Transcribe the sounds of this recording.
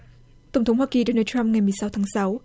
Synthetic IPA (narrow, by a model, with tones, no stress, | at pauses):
t̪ə˧˩wŋ͡mt̪ʰə˨˦ŋ͡mhwaː˧ki˨˩ɗo˧naː˧˩t͡ɕa˧mŋa˨˩jmɨ˨˩əjsa˨˦wt̪ʰaː˨˦ŋsa˨˦w